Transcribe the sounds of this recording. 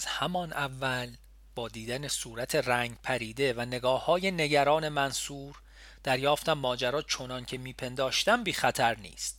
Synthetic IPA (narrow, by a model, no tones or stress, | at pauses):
z̥hæmɒnʔævːæl | b̥ɒːd̪iːd̪ænesuːɾæt̪ʰe̞ræːŋɟpʰæɾiːd̪e̞væne̞ɡɒːhɒːje̞ne̞ɟæɾɒːne̞mænsuːɾ | d̪̥æɾjɒːft̪æmːɒːd͡ʒæɾɒːt͡ʃʰo̞nɒncʰe̞miːpʰe̞nd̪ɒːʃt̪æmbiːxæt̪ʰæɾnḭːst̪